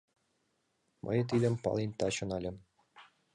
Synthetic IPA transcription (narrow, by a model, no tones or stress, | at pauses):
mʔɤ̰jt̪id̪ʲɘ̆mpɑ̰lˠinʲt̪ɑɕɤ̆nɑlʲɘ̆m